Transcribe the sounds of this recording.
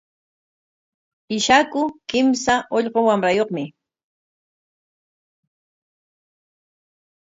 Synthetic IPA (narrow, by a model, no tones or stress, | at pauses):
ɪʃakʊkɪmsaʔoʎɢowamɾajoχmɪ